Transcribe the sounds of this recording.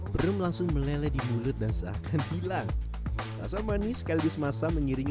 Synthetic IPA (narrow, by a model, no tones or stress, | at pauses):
bəɾʊmlaŋsʊŋməlelɛdimulʊt̪̚dansəa̰kanhilaŋ | la̰samanisə̥kalibɪsmasaməŋiɾiŋ